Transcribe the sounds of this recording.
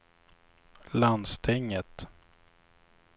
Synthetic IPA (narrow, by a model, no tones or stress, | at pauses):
land̪st̪ʰɛŋːət̪